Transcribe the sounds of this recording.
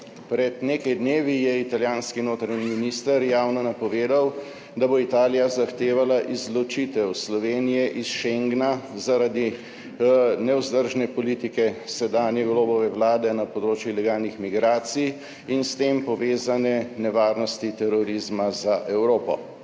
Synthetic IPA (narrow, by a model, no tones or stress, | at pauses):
pɾɛd̪neːkajd̪neːʋijɛit̪aljaːnskinoːt̪ɾanimminiːst̪əɾjaːwnɔnapɔʋeːd̪aw | d̪aboit̪aːlijazaxt̪eːʋalaʔizlɔt͡ʃit̪ɛwslɔʋeːnijɛʔisʃeŋɡnazaɾad̪i | nɛwzd̪əɾʒnɛpɔlit̪ikɛsɛd̪aːnjɛɡloːbɔʋɛwlaːd̪ɛnapɔd̪ɾoːt͡ʃjulɛɡaːlnixmiɡɾaːt̪sij | inst̪empɔʋeːzanɛnɛʋaːɾnɔst̪it̪ɛɾɔɾizmazaʔɛwɾoːpɔ̰